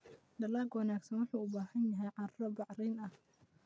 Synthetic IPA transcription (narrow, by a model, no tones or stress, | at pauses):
d̪ɐlaːɡwɑnaːɡsɐnwɑħuːʊbaːhɐnjɐɦɛjʕɑɾɾɔbɑʕrɛjnɐh